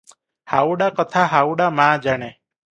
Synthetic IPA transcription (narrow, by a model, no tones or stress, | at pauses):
hauɽakət̪ʰaɦauɽamãd͡ʒaɽ̃e